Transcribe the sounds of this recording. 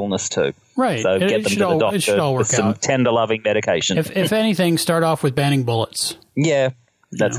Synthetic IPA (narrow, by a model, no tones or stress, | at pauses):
l̩ˠnəstʰʉ̰ | ɹaɪts̚oʊɡɛðə̃mlˠdɔɨtʃɨɾɔlˠwɜ̃mt̚tʰɛ̃ndə˞lʌvɪ̃ŋmɛɾɨkʰeɪʃɨ̃nɪfɪfɛniθɪ̃ŋstɑɹɾɔfwɨðbæ̃ɾ̃ɪ̃ŋbʊlˠə̰ts | jæ | ðæs